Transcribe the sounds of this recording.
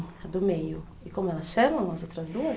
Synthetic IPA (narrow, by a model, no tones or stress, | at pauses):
d̪ʊmejʊ | ɪkõmʊɛlɐsʃɐmɐ̃w̃ɐzowt̪ɾɐzd̪uɐ